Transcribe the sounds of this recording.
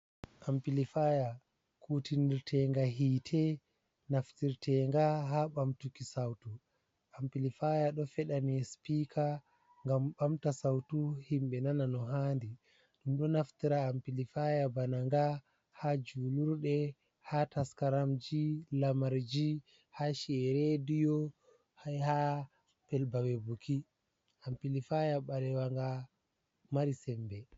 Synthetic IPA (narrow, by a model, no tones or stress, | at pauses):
ʔampilifaja | kʰutiniɾtʰɛŋɡaɦiːtʰɛ | naftiɾtʰɛŋɡaɦaɓamtukisawtu | ʔampilifajaɗɔfɛɗaniɛspiːkʰa | ŋɡamɓamtasawtuhimɓɛnananɔɦandi | ɗumɗɔnaftiɾaːmpilifajabanaŋɡa | had͡ʒuːluɾɗɛ | hataskaɾamd͡ʒilamaɾd͡ʒi | haʃɛɛɾɛdijɔ | haha | pɛlbawebukʰi | ʔampilifajaɓaɾɛwaŋɡa | maɾisɛmbɛ